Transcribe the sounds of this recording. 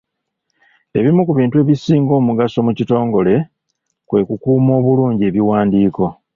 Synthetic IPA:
e̞̰βimukuβiːntue̞βisiːŋɡo̞ːmuɡaso̞mucito̞ːŋɡo̞le̞ | kwe̞kukuːmo̞ːβuluːɲɟie̞βiwaːndiːko̞

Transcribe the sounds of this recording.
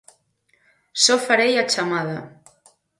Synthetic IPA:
sɔfaɾejat͡ʃamaðɐ

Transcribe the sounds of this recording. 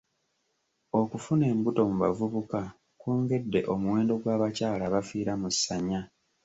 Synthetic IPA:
okufune̞ːmbuto̞muβavuβuka | kuːŋɡe̞dːe̞ʔo̞muwe̞ːndo̞ɡwaːβacaːlaβafiːɾamusːaɲa

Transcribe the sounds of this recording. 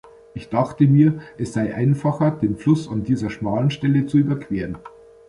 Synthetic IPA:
ʔɪçd̥aχtəmiːɐʔɛsz̥aɪʔa̰ɪnfaχɐdeːnflʊsandiːzɐʃmaːlənʃtɛlət͡suyːbɐkv̥eːʁən

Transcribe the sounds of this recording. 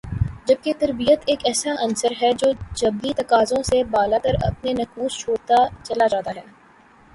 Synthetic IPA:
d͡ʒɐb̚ket̪ɐɾbijət̪eːkɛːsaʔɐnsəɾɦɛd͡ʒoːd͡ʒɐbːit̪ɐkaːzõsebaːlat̪əɾɐ̰pnenɐkuːst͡ʃʰoːɾt̪at͡ʃɐlad͡ʒaːt̪aɦɛː

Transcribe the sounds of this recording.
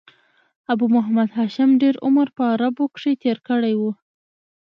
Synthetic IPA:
abumʊɦamad̪ɦaʃamɖeɾʊ̰məɾpəaɾabukʂit̪eɾkəɽajwu

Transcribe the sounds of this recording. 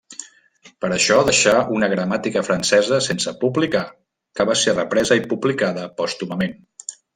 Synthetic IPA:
pəɾəʃɔðəʃaunəɣɾəmat̪ikəfɾənsɛzəsensəpublika | kəβaserəpɾɛzəipublikaðəpɔst̪uməmen

